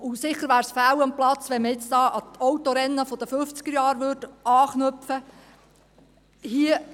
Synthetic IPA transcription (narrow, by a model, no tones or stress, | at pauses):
ʊsɪχəɾʋæːɾsfæwəmplɑt͡sʋɛnməɪt͡sd̥̪ɑːʔɑt̪ʰowt̪oɾɛnːəfɔd̥əføft͡sɡ̥əɾjɑːɾʋʏdɑːχnœpfə | hiə